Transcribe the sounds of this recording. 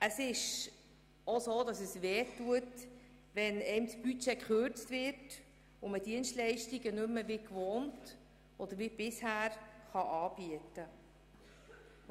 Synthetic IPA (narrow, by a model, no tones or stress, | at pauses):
ʔəsɪʃ | osoːdɑsəsʋɛːtːuət | ʋɛnɛɪmsb̥yt͡ʃekχøɾt͡stvɪɾt | ʊmədiənstlɛɪʃtiɡənʏmːəvɪkvoːnt | ʔɔd̥əɾʋib̥ɪshæːɾχɑʔɑːb̥iətə